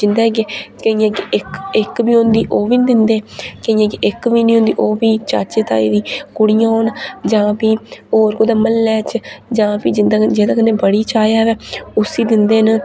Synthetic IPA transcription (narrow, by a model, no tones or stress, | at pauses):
d͡ʒɪnd̪aːɡekəiːãːkeɪkɪkbiːɦʊ̃nd̪iːʔoːʋiːnd̪ɪnd̪eːkəĩːãːkeʔɪkʋiːnĩːɦõnd̪iːʔoːbiːt͡ʃa̰ːt͡ʃeːt̪a̰ːḭːd̪iːkʊɽijãːoːnd͡ʒãːpiːoːɾkoːd̪aːməlːɛːt͡ʃd͡ʒãːpiːd͡ʒɪnd̪aːd͡ʒeːd̪aːkəneːbəɽiːt͡ʃaːjaːʋɛːʊsiːd̪ɪnd̪eːn